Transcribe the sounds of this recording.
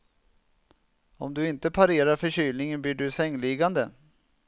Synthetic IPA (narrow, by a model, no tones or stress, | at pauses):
ɔ̰md̪ɵɪnt̪əpʰaɾeːɾaɾfœɕyːlnɪŋənbliːɖɵsɛŋːlɪɡand̪ə